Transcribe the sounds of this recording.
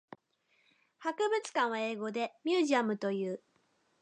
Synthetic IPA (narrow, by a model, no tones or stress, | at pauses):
hakɯ̟bɯ̟t͡sɨ̥kãɰ̃βae̞ːɡo̞d̪e̞mʲjɨːʑiamɯ̟t̪o̞jɯ̟ː